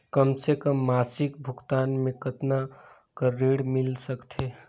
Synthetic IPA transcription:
kəmsekəmːaːsɪkbʱʊɡt̪aːnmẽkət̪na | kəɾːiɽmɪlsəkt̪ʰɦe

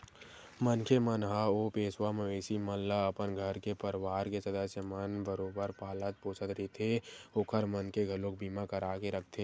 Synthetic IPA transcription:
mənkʰemənɦaoːpeːswameʋeːsiməllaəpənɡʱəɾkepəɾʋaːɾkesəd̪əsjəmənbəɾoːbəɾpaːlət̪̚poːsət̪ɾit̪ʰeoːkʰəɾmənkeɡʱɐlõk̚bʱiːmakəɾaːkeɾəkʰt̪ʰe

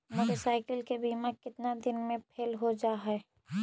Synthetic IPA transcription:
məʈəsaːɪkəlkebiːmakɪt̪nad̪ɪnmẽpʰeːlɦod͡ʒaːɦɛ

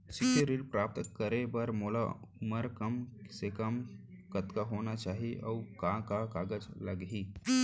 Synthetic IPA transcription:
sɪkʰiɾilpɾaːp̚t̪kːəɾebɐɾmoːla̰ʊməɾkɐmsekɐm | kɐt̪kaɦoːnat͡ʃaːɦiʔɔːkãːkakaːɡəd͡ʒlɐɡɦiː

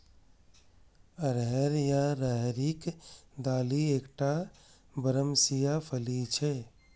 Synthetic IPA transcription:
əɾɦɛɾjaɾəɦɾikd̪aːlieːkʈa | bəɾəmsijapʰəlit͡ʃʰɛ

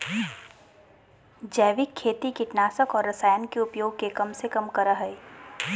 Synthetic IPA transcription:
d͡ʒɛːʋɪkʰːeːt̪ikɪʈnaːsəkɔːɾːɐsaːjənkeʊpjoːɡ̚kekɐmsekɐmkɐɾaɦɛj

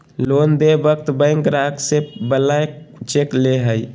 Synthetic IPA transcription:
loːnd̪ebəkt̪bə̃ɪŋkɾaksebəlaet͡ʃekleɦəi

